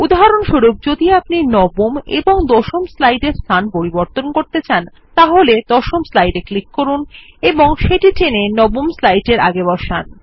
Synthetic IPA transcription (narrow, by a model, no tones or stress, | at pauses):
ud̪aɦaɾonʃoɾuk̚d͡ʑod̪iapninɔbomḛboŋd̪ɔʃomslajɖeɾst̪ʰanpoɾiboɾt̪onkoɾt̪et͡ɕʰan | t̪aɦoled̪̥ɔʃomslajɖeklikːoɾun | eboŋʃeʈiʈʰenenɔbomslajʈeɾa̰ɡebɔʃan